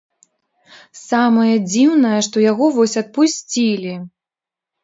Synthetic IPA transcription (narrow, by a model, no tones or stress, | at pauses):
samɐjɐd͡zʲiwnɐjɐʂt̪ɔjaɣɔvɔsʲɐt̪̚pusʲt͡sʲilʲi